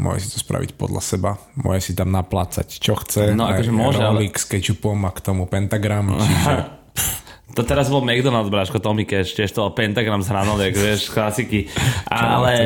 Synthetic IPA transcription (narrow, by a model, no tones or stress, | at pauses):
mʊwɔ̰ɦʒɛ̰si̥t̪ɔ̥spɾa̰ʋḭcpɔ̰d̪la̰sɛbamʊɔ̰ːɦɛsit̪amnapla̰ːt͡sa̰ct͡ʃɔxt͡sɛnɔakɔʒɛmʊɔʒɛallikskɛt͡ʃupɔmakt̪ɔmupɛnt̪aɡɾamt͡ʃiʒɛ | t̪ɔt̪ɛɾazbɔlmɛɡd̪ɔnalˠd̪bɾaːʃkɔt̪ɔmikɛʃɪɛʃt̪ɔpɛnt̪aɡɾamzɦɾanɔʋɛkʋɪɛʃsklasikiʔalɛ